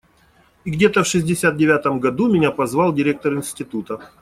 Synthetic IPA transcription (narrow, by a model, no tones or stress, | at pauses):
iɡdʲet̪əfʂɨzʲdʲɪsʲat̪̚dʲɪvʲat̪əmɡɐd̪umʲɪnʲapɐzvɑlˠdʲɪɾʲe̞k̚t̪əɾɪnsʲtʲɪt̪ut̪ə